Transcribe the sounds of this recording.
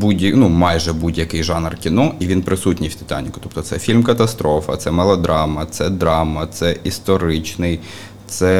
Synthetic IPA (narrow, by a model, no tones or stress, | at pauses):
budʲɐnumɑjʒɛbudʲjɐkɪjʒɑnrkʲinɔʔiʋʲinpɾɪsutʲnʲijwt̪ɪ̥t̪ɑ̰nʲikʊ̥t̪ɔp̚t̪ɔt̪sɛfʲilʲmkɐt̪ɐst̪ɾɔfɐ̰t̪sɛmɛlˠɔd̪ɾʔɑmɐt̪sɛd̪ɾɑmɐt̪sɛʔist̪ɔɾɪt͡ʃnɪj | t̪sɛ